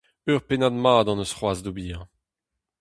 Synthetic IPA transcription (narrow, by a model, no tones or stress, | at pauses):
øːʁpenad̪maːd̪ɑ̃nəsχwaːzd̪obiːɛ̃